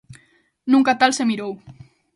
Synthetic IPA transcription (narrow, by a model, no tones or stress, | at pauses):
nuŋkat̪alsemiɾow